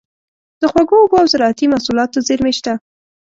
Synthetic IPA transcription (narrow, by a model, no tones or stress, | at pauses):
d̪̥əxwaɡoːɡoawzaɾɑat̪imasulɑt̪ozeɾmeʃt̪a